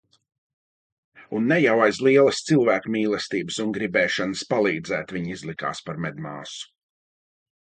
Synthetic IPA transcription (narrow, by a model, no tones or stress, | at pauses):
unːɛjawajslˠiɛlˠəst̪silˠvæːkumiːlˠɛst̪iːbəsunɡɾibɛːʃanəspalˠiːd̪zæːt̪viɲizlˠika̰ːspaɾmɛd̪ma̰ːsu̥